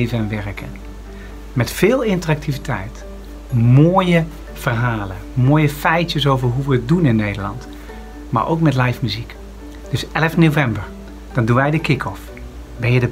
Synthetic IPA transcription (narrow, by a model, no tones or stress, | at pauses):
jvənɛnʋɛɹkə̰n | mɛtfɪːlˠɪntərɑk̚tivitɛ̰jt | moːjə | v̥ərɦaːlə | moːjəfɛjtəsowvəɹɦuʋəət̚dunɪnːejdəɹlɑ̰nt | ma̰ɹʔo̰wkmɛtlɑjfmyzik | d̥ɵsɛləfnovɛmbəɹ | d̥ɑndunʋɛjdəkɪkʰɔf | bɛədə